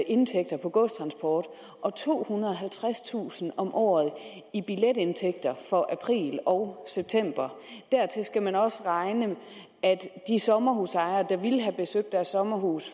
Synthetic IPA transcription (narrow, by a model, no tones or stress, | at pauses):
ʔe̝nt͡sʰeɡ̥̚d̥ɐpʰɒ̽ɡ̥ɔsdt͡sʰʁɑ̈nsb̥ɒːd̥ | ʔɒ̽t͡sʰo̝̰ːhunɐðˠɒɦælt͡sʰʁast͡sʰṵːsn̩ɒ̽mʔɒ̰ːð̩ˠ | ib̥iled̥e̝nt͡sʰeɡ̥d̥ɐfɒ̽ʔæpʰʁḭːlɒʊseb̥̚t͡sʰem̰b̥ɐd̥æɐ̰t͡sʰe̝sɡ̥æmænɒ̽sʁɑ̈ɪnə | æd̥d̥isɒ̽mɐɦuːsɑ̈ɪɐːd̥ɑ̈ʋilɦæb̥e̝søɡ̥̚d̥æɐsːɒ̽mɐɦuːs